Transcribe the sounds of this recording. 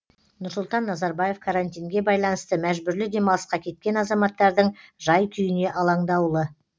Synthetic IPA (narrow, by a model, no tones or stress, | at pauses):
nʊɾsʊlˠt̪ɑnːɑzɑɾbɑje̞fkʰaɾant̪ʲijŋɡʲe̞bɑjlˠɑnəst̪əmæʒbʏɾlɪd̪e̞mɑlˠəsqɑkʲʰe̞t̪̚kʲe̞nɑzɑmɑt̪ːɑɾd̪əɴʒɑjt̪ʲʰʏjɪne̞ʔɑlˠɑɴd̪ɑwlˠə